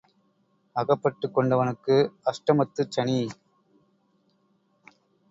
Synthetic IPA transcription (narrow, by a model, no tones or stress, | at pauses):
ɐɣɐpːɐʈːɯkːɔɳɖɐʋɐnɯkːɯɐʂʈɐmɐt̪ːɯt͡ʃːɐɳi